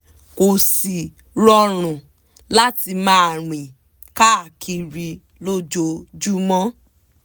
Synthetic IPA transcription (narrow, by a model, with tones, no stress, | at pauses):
ko˨si˨ | ɾɔ˦ɾ̃ũ˨ | la˦ti˧mãː˦˨ɾ̃ĩ˨ | ka˦a˨kʰi˧ɾi˧ | lo˦d͡ʒo˧d͡ʒu˦mɔ̃˦